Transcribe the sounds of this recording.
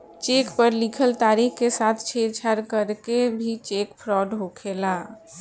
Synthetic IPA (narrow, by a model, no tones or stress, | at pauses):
t͡ʃekpəɾlikʰəlt̪aɾikkesat̪ʰt͡ʃʰeɾt͡ʃʰaɾkəɾkebʱit͡ʃekpʰɾɔɖɦokʰela